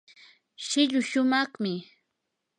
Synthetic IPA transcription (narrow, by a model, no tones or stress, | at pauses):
ʃɪʎʊʃʊmɑχmɪ